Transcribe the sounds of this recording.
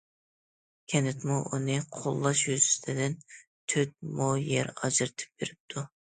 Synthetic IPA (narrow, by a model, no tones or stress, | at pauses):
kʲʰɛnɪt̪muʔunɨqʰolˠːɑʃjyzy̥sɪ̥t̪ʰɪd̪ɪn | t̪ʰøt̪̚mojɛɾɑd͡ʒɨɾt̪ʰɪ̥p̚beɾɪp̚t̪ʰu